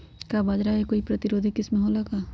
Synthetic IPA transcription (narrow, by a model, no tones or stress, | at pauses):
kabaːd͡ʒɾaɦekoːipɾɐt̪ɪɾoːd̪ʱikɪsmẽɦoːlakaː